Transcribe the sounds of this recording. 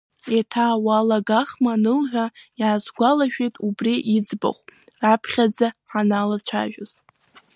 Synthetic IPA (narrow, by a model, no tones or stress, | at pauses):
atʰaːwalaɡaχmanɨlħʷᶣajaːzɡʷalaʃᶣejtʼubriʔid͡zba̰χʷrapʰχʲad͡zaħanalat͡ʃʷʰa̰ʒᶣʊz